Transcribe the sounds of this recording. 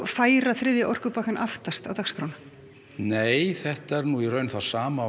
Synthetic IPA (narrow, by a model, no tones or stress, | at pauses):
faːjɾaθɾɪðjɪʔɔr̥kʏpaːkanʔaft̪ast̪awt̪akskɾawn | neːjθɛht̪ɛɾnuirœːɥnθḁsaːma